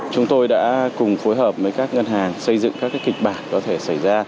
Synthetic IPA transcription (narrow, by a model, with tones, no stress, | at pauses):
t͡ɕʊ˨˦ŋ͡mt̪o˧jɗa̰ː˧˥kʊ˨˩ŋ͡mfo˨˦jɦəː˨˩p̚vəː˨˦jkaː˦˥k̚ŋə˧nɦaː˨˩ŋsə˧jzɨ̰˧˨ŋkaː˦˥kːaː˨˦jkï˨˩k̟̚ɓaː˨˩nkɔ˨˦t̪ʰe˧˩sa˧˩jzaː˧